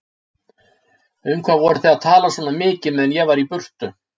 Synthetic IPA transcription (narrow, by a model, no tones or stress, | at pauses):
ʏmkʰvaːvɔɾʏθaaðt̪ʰaːlasvɔːnamɪːcɪmɛðɛnjɛɣvaɾipʏr̥t̪ʏ